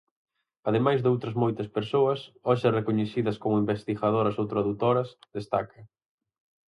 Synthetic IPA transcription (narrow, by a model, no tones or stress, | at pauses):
ɐðemajzðowt̪ɾɐzmojt̪ɐspeɾsoɐsɔʃɪrekoɲeθiðɐskomʊimbest̪ixað̞oɾɐsowt̪ɾaðut̪oɾɐsðest̪akɐ